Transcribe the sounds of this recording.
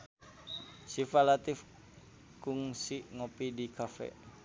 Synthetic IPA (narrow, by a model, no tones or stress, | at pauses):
sifalat̪if | kuŋsiʔŋopidikʰafɛ̰ʔ